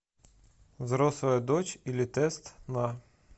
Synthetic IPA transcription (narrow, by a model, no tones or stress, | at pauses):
zɾɔslˠɔjɐd̪ɔt͡ʃilʲit̪ɛst̪nɑ